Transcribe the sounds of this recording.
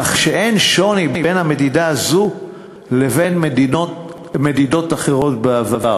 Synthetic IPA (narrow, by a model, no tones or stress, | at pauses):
aχʃeʔe̞nʃo̞nibenhame̞didaazu | le̞ve̞nmdo | me̞dido̞taχe̞ʁo̞tbeavava